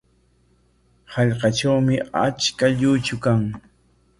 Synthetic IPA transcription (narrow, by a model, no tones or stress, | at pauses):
hɑʎqɑʈ͡ʂawmɪa̰t͡ʃkaʎʊt͡ʃʊkaŋ